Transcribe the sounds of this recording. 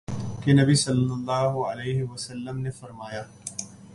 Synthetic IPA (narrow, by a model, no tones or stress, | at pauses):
kenɐbisɐlːɐlːaːɦʊʕɐleːɦɪwɐsɐlːɐmnefɐɾmaːjaː